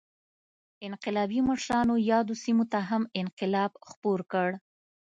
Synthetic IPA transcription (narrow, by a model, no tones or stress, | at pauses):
ɪnqɪlɑbimaʃɾɑnojɑd̪osimot̪aɦamɪnqɪlɑbxpoɾkəɽ